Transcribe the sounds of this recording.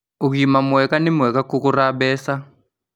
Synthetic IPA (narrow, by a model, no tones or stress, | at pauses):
uk̬imamuɛkanimuɛkakukuraɓɛːsa